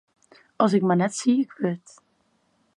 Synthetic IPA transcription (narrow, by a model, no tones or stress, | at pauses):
ɑs̬ɪk̚manɛtsiːɪkʰʋɪt